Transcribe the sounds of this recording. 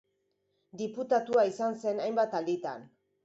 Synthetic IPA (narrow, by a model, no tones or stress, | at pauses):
d̪iput̪at̪uaisanse̞najmbat̪ald̪it̪a̰n